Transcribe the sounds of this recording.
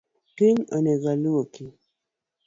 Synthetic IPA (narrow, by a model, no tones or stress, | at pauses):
kiŋə̰nɛɣaluŋoki